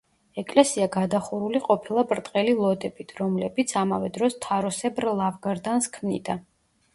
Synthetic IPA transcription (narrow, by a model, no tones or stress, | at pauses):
ɛkʼlɛsiaɡad̪aχuɾuliqʼɔpʰilˠabɾt̪ʼqʼɛlilˠɔd̪ɛbit̪ʰɾɔmlɛbit̪sʰamavɛd̪ɾɔst̪ʰaɾɔsɛbɾlˠavɡaɾd̪anskʰmnḭd̪a